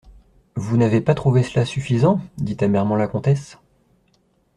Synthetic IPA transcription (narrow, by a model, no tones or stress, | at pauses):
vunavepat̪χuvesəlasyfizɑ̃d̪it̪amɛʁmɑ̃lakɔ̃t̪ɛs